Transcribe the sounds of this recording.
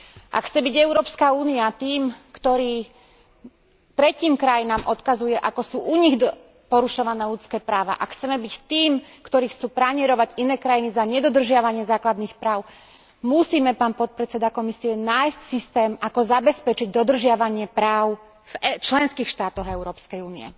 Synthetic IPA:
ʔa̰kxt͡sɛbiɟɛʊɾɔːpskauːniat̪iːmkt̪ɔɾiː | t̪ɾɛciːmkɾajinaːmʔɔt̪kazujɛʔakɔsuːʔuɲiɣ | pɔɾuʃɔʋanɛːlut͡skɛːpɾaːʋa̰ʔa̰kxt͡sɛmɛbict̪iːmkt̪ɔɾiːxt͡suːpɾaɲɪɛɾɔʋaɟinɛːkɾajinizaɲɛd̪ɔd̪r̩ʒɪaʋaɲɪɛzaːklad̪nixpɾaːʊ | musiːmɛpaːnpɔt̪̚pɾɛt͡sɛd̪akɔmisiɛnaːjscsist̪ɛːmakɔzabɛspɛt͡ʃiɟd̪ɔd̪r̩ʒɪaʋaɲɪɛpɾaːʊ | v̥ɛt͡ʃlɛnskiːxʃt̪aːt̪ɔɣɛʊɾɔːpskɛjuːniɛ̰

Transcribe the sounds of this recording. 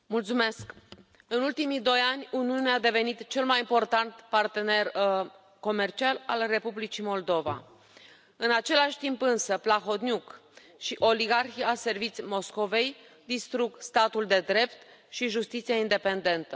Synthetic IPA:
mult̪sume̞sk | ɨnult̪imid̪o̞janʲuniunead̪e̞ve̞nit̪t͡ʃe̞lmajimpo̞rt̪ant̪part̪e̞ne̞r | ko̞me̞rt͡ʃialalre̞publit͡ʃimo̞ld̪o̞va̰ | ɨnat͡ʃe̞laʃʲt̪impɨnsəplaxo̞t̪nʲjuk | ʃiʔo̞liɡarxiase̞rvit̪simo̞sko̞ve̞j | d̪ist̪ɾuɡst̪at̪uld̪e̞d̪ɾe̞pt̪ | ʃiʒust̪it̪siaind̪e̞pe̞nd̪e̞nt̪ə

